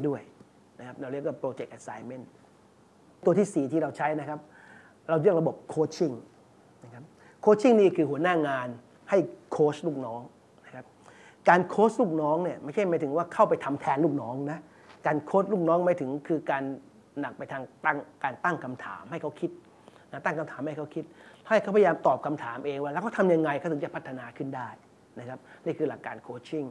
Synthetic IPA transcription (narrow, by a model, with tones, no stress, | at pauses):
du˥˩əj | na˦˥kʰa˦˥p̚ɾa˧ɾək̚waː˥˩pɾoː˧t͡ɕe˨˩k̚ʔa˨˧sa˧jme˥˩n | t̪u˧t̪ʰiː˥˩siː˨˩t̪ʰiː˥˩ɾa˧wt͡ɕʰa˦˥jna˦˥kʰa˦˥p̚ | ɾa˧wɾɯ˥ək̚ɾa˧bo˨˩p̚kʰoː˦˥t̚t͡ɕʰi˥˩ŋ | na˦˥kʰa˦˥p̚ | kʰoː˦˥t͡ɕʰi˥˩ŋniː˥˩kʰɯː˧ɦu˩˦ənaː˥˩ŋaː˧n | ha˥˩jkʰoː˦˥sluː˥˩k̚nɔː˦˥ŋ | na˦˥kʰa˦˥p̚ | kaː˧nkʰoː˦˥s̚luː˥˩k̚nɔː˦˥ŋni˥˩ɐmaː˥˩jt͡ɕʰjmaː˨˦jt̪ʰɯ˩˦ŋwaː˥˩kʰa˥˩wpa˧jt̪ʰa˧mt̪ʰɛː˧nluː˥˩k̚nɔː˦˥ŋna˦˥ʔ | kaː˧nkʰo˦˥s̚luː˥˩k̚nɔː˦˥ŋmaː˨˥˦t̪ʰɯ˩˦ŋkʰɯː˧kaː˧nː | a˨˩k̚pa˧jt̪ʰaː˧ŋt̪a˥˩ŋkaː˧nt̪a˥˩ŋkʰa˧mt̪ʰa̰ː˩˦mha˥˩jkʰa˦˥wkʰi˦˥t̪̚ | na˦˩t̪a˥˩ŋkʰa˧mt̪ʰaː˩˦mha˥˩jkʰa˦˥wkʰi˦˥t̪̚ʰa˥˩ha˥˩jkʰa˦˥pa˧jjaː˧mt̪ɔː˨˩p̚kʰa˧mt̪ʰaː˩˦mʔeː˧ŋwaː˥˩lːwkʰɔ˥˩t̪ʰa˧mja˧ŋːa˧jka˥˩t̪ʰɯ˩˦t͡ɕa˨˩pʰa˦˥t̪ʰːa˧naː˧kʰɯ˥˩ndaː˥˩j | na˦˥kʰa˦˥p̚niː˥˩kʰɯː˧la˨˩kːaː˧nkʰoː˧t͡ɕʰi˥˩ŋ